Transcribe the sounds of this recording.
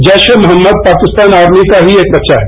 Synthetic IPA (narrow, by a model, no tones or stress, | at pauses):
d͡ʒɛːʃemɐɦəmːəd̪̚paːkɪst̪aːnaːɾmikaɦieːk̚bɐtːʃʰaɦɛ